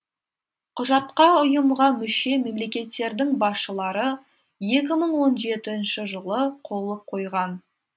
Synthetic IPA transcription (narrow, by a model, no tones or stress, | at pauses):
qʰʊʒɑt̪qɑʊjəmʁɑmʏʃe̞me̞mle̞kʲe̞t̪ːe̞ɾd̪ɪŋbɑsʃəlˠɑɾə | je̞k̬ʲɪməɴwo̞nʒe̞t̪ɪnʃɪʒəlˠəqʰo̞lˠəp̚qʰo̞jʁɑn